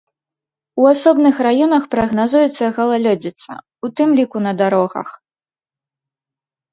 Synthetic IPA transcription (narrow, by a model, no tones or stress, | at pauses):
uasɔbnɨxrajɔnɐxpɾɐɣnazujɛt̪sːɐɣɐlˠalʲɔd͡zʲit̪sɐ̰ | ut̪ɨmlʲikunɐd̪aɾɔɣɐ̰x